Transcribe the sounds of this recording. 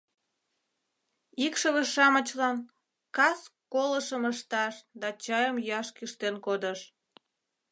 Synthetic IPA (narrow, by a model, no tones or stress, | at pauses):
ikʃəβəʃɑmət͡ɕlɑn | kɑskoləʃəməʃt̪ɑʃd̪ɑt͡ɕɑjəmjɑʃkyʃt̪enkod̪əʃ